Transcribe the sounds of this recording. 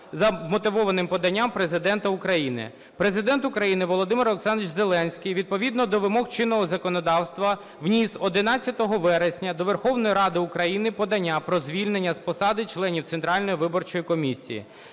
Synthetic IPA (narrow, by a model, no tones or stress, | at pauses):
zɐmɔt̪ɪʋɔʋɐnɪmpɔd̪ɐnʲːampɾezɪd̪ɛnt̪ɐukɾɐjinɪ̰ | pɾe̞zɪd̪ɛnt̪ʊkɾɐjinɪʋɔlˠɔd̪ɪmɪɾɔksɑnʋit͡ʃze̞lˠɛnʲsʲkʲijʋʲid̪̚pɔʋʲid̪nɔd̪ɔʋɪmɔxt͡ʃɪnːɔɦɔzɐkɔnɔd̪ɑwst̪ʋɐ | ʋnʲisɔd̪ɪnɑtt͡sʲːɐt̪ɔɦɔʋɛɾesʲnʲɐd̪ɔʋerxɔwnɔjiɾɑd̪ɪukɾɐjinɪpɔd̪ɐnʲːapɾɔzʲʋʲilʲnenʲːɐspɔsɑd̪ɪt͡ʃlˠɛnʲiwt̪sent̪ɾɑlʲnɔjiʋɪbɔrt͡ʃɔjikɔmʲisʲḭjḭ